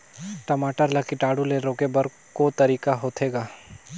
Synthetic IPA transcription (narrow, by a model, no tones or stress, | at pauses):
ʈɐmaːʈəɾlɐkiʈaːɽuleːɾoːkebɐɾ | kot̪ɐɾiːkaɦoːt̪ʰeːɡaː